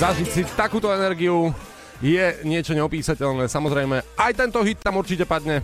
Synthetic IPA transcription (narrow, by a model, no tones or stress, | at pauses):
zaʒicsit̪akuːt̪ɔɛnɛɾɡiu | jɛɲɪɛt͡ʃɔɲɛɔpiːsacɛʎnɛːsamɔzɾɛjmɛʔajt̪ɛnt̪ɔɦit̪ːamuɾt͡ʃicɛpad̪ɲɛ